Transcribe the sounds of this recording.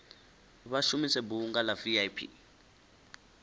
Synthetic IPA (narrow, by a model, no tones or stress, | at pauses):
βaʃumisɛbuːŋɡalaviajpʰḭ